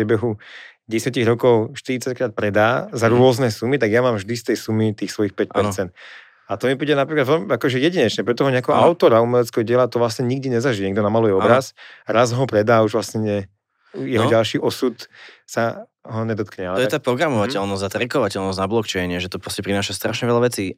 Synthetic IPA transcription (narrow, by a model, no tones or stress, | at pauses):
ɾɪɛbɛɦu | ɟɛsɪaciɣɾɔkɔʊʃt̪iɾit͡sackɾaːt̪̚pɾɛd̪aːzaɾʊɔznɛsumit̪aɡjamaːmvʒd̪ist̪ɛjsumit̪iːxsʋɔjixpɛc̚pɛɾt͡sɛnt̪ | at̪ɔmipiːɟɛnapɾiklad̪ʋɔmakɔʒɛjɛɟiɲɛt͡ʃɲɛpɾɛt̪ɔɦɔɲɛakɛɦɔʔaʊt̪ɔɾaumɛlɛt͡skɛɦɔɟɪɛlat̪ɔʋlasɲɛɲiɡd̪iɲɛzaʒiɛɲɛɡ̚d̪ɔnamalujɛɔbɾasɾazɦɔpɾɛd̪aːuʒʋlasɲɛɲɛ | jɛɦɔɟalʃiːʔɔsut̪sa | ɦɔɲɛd̪ɔt̪̚kɲɛalɛɔjɛat̪apɾɔɡɾamɔʋacɛlnɔznat̪ɾɛkɔʋacɛlnɔsnablɔkt͡ʃɛɪɲɪɛʒɛt̪ɔpɾɔscɛpɾinaːʃast̪ɾaʃɲɛʋɛlaʋɛt͡siː